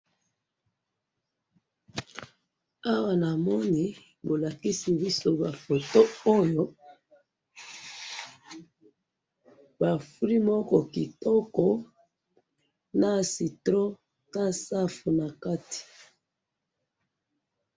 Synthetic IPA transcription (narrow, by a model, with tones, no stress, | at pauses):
a˦wa˨na˨mɔ˦ni˨ | bo˨la˨ki˦si˨bi˦so˦ba˨fo˨to˦o˦jo˦ | ba˨fu˦li˦mɔ˦kɔ˨ki˨tɔ˦kɔ˨ | na˦si˨tʁɔ˦ | ta˦sa˦fu˨na˨ka˦ti̥˨